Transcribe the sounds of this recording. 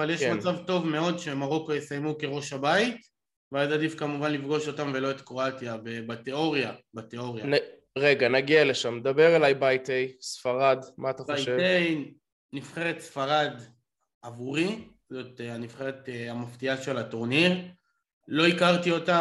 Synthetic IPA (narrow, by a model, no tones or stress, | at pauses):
avaljeʃkmmant͡savt̪o̞vmeo̞dʃemaʁo̞kojesajmuke̞ʁo̞ʃhabait̪ | veazadifkamuvanlifɡo̞ʃo̞tamvelo̞et̪kʁo̞at̪jabebateo̞ʁjabat̪eo̞ʁjana | ʁe̞ɡanaɡiale̞ʃamned̪abe̞ʁelajbajtejsfaʁadmaːt̪aχoʃevej | nifχeʁet̪sfaʁad | avuʁi | ot̪eanifχeʁeteamaftiaʃe̞latoʁniʁ | lo̞ikaʁt̪io̞ta